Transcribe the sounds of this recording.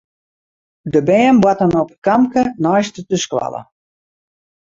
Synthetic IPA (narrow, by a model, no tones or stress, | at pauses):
dəbɛːnbwatənɔpəkamkənɔjstətəskwa̰lə̰